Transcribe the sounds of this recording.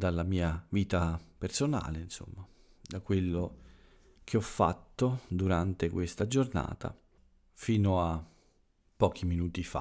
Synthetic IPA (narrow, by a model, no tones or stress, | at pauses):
d̪alamiːaviːt̪apersona̰ːleinso̰mːa | d̪akwelːo | k̟ʰeɔfːa̰t̪ːod̪uɾant̪ekwest̪ad͡ʒorna̰ːt̪ʰa̰ | fiːnoa | pːɔːk̟iminuːt̪ifa̰